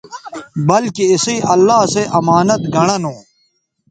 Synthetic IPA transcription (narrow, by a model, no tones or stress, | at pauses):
bɐlkiɪsiʔɐlːaːseʔɐmaːnɐt̪ɡʱɐɽ̃ɐnõː